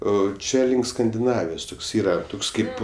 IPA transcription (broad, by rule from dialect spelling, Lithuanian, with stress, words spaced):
ˈoː ˈt͡ʃʲɛ lʲɪŋk skɐnʲdʲɪˈnɑːʋʲɪjoːs ˈtoːks ˈiːrɐ ˈtoːks ˈkɐɪp